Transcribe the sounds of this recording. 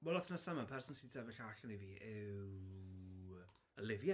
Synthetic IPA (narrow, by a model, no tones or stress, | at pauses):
wɛlˠɔθnasamanpʰɛrsɔnsitʰɛvɪɬaɬəniviːʔɪ | əlˠɪvja